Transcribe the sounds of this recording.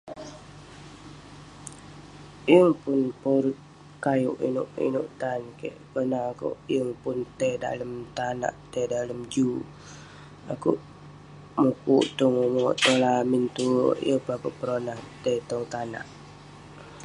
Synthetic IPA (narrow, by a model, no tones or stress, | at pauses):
jəŋpʊnpoɾut̪̚ | kajuʔḭnuʔḭnṵʔt̪ankḛʔkənakṵʔjəŋpunt̪eda̰ləmt̪ana̰ʔt̪edaləmd͡ʒu | akṵʔ | mukṵʔt̪ɔŋumuʔt̪olamint̪ṵʔjəpakəʔpəɾonaht̪et̪ɔŋt̪ana̰ʔ